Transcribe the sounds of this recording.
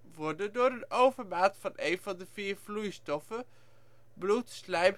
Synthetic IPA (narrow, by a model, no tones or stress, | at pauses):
ʋɔɹdədʊːɹənowvəɹmaːtfɑnʔejnvɑndəviːɹv̥lujstɔfə | blutslɛjm